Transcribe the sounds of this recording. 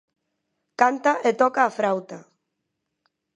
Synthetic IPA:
kant̪aʔet̪ɔkaːfɾawt̪a

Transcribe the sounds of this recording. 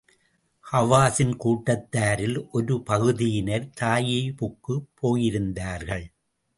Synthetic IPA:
hɐʋaːsɪnkuːʈːɐt̪ːaːɾɪlʔɔɾɯpɐɣɯðɪjɪnɐɾt̪aːjɐɪpʊkːɯpʰːoːjɪɾɯnd̪aːɾɣɐɭ

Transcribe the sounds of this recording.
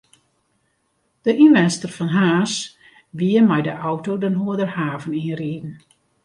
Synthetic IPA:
d̥əʔinʋɛnstərfɔnɦaːs | ʋiəmɛjdəʔɔwtodənɦoədərhaːvəniənriːdn̩

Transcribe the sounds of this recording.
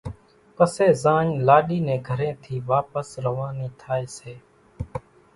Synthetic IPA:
pəseːzaːɲlaːɗiːnẽːɡʱəɾẽːt̪ʰiːʋaːpəsɾəʋaːniːt̪ʰaːeːseː

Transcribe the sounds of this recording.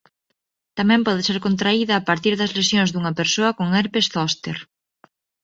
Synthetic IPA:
t̪amɛ̃mpɔð̞ɪseɾkont̪̬ɾaiðɐːpaɾt̪iɾðɐzlesjõŋzðuŋɐpeɾsoɐkoŋɛɾpesθɔst̪eɾ

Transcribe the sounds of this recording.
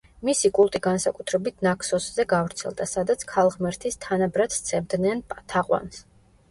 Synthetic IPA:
misikʼulˠt̪ʼiɡansakʼut̪ʰɾɛbit̪ʰnakʰsɔszɛɡavɾt̪sʰɛ̰lˠd̪asad̪at̪sʰkʰalˠʁmɛɾt̪ʰist̪ʰanabɾat̪t̪sʰɛmd̪nɛnpʼt̪ʰaqʼwa̰ns

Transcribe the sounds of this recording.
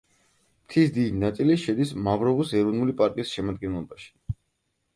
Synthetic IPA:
mt̪ʰisd̪id̪inat̪sʼiliʃɛd̪ismavɾɔvusɛɾɔnulipʼaɾt̪ʼiisʃɛmad̪ɡɛnlˠɔbaʃi̥

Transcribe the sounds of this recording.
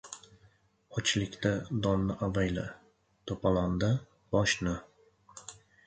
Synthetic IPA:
ɒt͡ʃʰlɪkʲt̪ad̪ɒnːɪʔavajla | t̪ʰopʰaland̪a | b̥ɒʃnɪ

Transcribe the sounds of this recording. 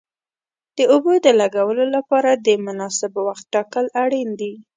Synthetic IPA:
d̪̥əʊbod̪əlaɡawəlolapɑɾad̪əmʊnɑsɪbwaxt̪̚ʈɑkəlaɽind̪i

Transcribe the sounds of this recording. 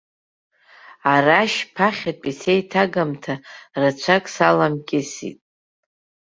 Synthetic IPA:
araʃpʰaχʲapʼisejtʰaɡamtʰarat͡ʃʷʰakʼsalamkʲʼɪsḭtʼ

